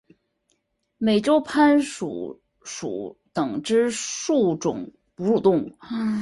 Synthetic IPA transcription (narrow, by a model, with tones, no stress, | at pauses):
me˨˩ɪʈ͡ʂo˥ʊpʰa˥nʂṵ˨˩ | ʂṵ˨˧˩t̪ɤ˨˩ŋʈ͡ʂɻ̩˥ʂu˥˩ʈ͡ʂʊ̰˨˩˦ŋ | pu˧˥ʂu˨˩t̪ʊ˥˧ŋu˥˩